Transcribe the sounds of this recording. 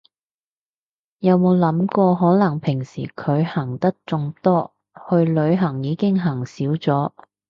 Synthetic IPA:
jɐ˨˧wmo˨˧wlɐ˨˥mkɔː˧ɦɔː˨˥nɐ˨˩ŋpʰɪ˨˩ŋsiː˨˩kʰɵ˨˧ɥhɐ˨˩ŋt̪ɐ˥k̚t͡sʊ˧ŋt̪ɔː˥ | hɵ˧ɥlɵ˨˧ɥɦɐ˨˩ŋjiː˨˧kɪ˥ŋɦɐ˨˩ŋsiː˨˥wt͡sɔː˨˥

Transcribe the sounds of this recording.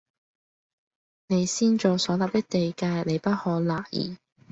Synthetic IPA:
ne˨˧jsiː˥nt͡ʃoː˨˩sɔː˨˥laː˨˩p̚t̪ɪ˥k̚t̪e˨jkaː˧jne˨˧jpɐ˥t̚hɔː˨˥laː˨˩jḭː˨˩

